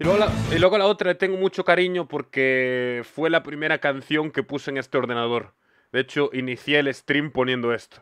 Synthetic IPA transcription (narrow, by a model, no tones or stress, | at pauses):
ilweoailweɣolao̞t̪ɾaet̪eŋɡomut͡ʃokaɾiɲopoɾkefwe̞lapɾime̞ɾakan̟θjo̞ŋkepusoeŋe̞st̪eo̞ɾð̞enaðo̞ɾ | d̪et͡ʃoʔiniθjelest̪ɾimpo̞njend̪oe̞st̪o̥